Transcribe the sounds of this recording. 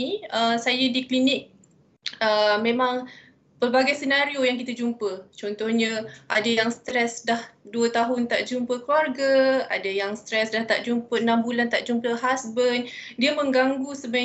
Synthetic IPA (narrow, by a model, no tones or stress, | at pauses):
əsajədiklinɪk̚ | əmẽmaŋ | pərbaɡajsənaɾiojaŋkit̪ad͡ʒumpət͡ʃɔnt̪ɔhɲə̃ʔadajaŋst̪ɾɛsdahduət̪aɦʊnt̪aʔd͡ʒumpəkluarɡaa̰dəjaŋst̪ɾɛsdaht̪aʔd͡ʒumpəənambulant̪aʔd͡ʒumpəɦasbən | diəmə̃ŋɡaŋɡusəba